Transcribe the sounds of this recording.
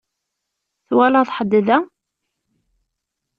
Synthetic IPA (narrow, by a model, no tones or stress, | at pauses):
θwælaðˤħəd̪ːðæ